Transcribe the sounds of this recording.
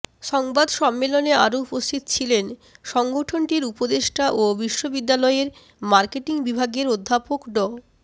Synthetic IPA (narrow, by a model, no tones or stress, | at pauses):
ʃɔŋbad̪ʃɔmːeloneaɾoupost̪ʰit̪t͡ɕʰilenʃɔŋɡoʈʰonʈiɾupod̪eʃʈaʔobiʃːobid̪ːalɔeɾ | maɾkeʈiŋbibʱaɡeɾod̪ʱːapokɖɔ